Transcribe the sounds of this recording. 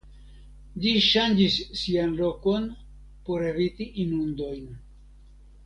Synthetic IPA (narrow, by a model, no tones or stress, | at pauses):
ʎiʃand͡ʒisːianlo̞ko̞n | po̞ɾe̞vitiʔinund̪o̞jn